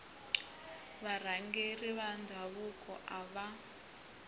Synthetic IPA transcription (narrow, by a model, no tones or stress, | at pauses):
βar̤aŋɡeriβandʱaβukʼɔ̰ʔaβa